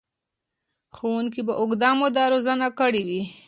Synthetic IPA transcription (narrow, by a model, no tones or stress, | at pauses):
xowuŋkibaʔʊɡd̪ɑmod̪ɑɾozanakəɽiwi